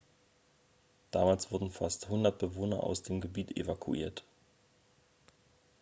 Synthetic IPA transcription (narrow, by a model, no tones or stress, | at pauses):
d̥aːmaːlsv̥ʊɐdn̩fasthʊndɐt̚b̥əvoːnɐʔa̰ʊsd̥eːmɡəbiːtḛvakʰuʔiːɐt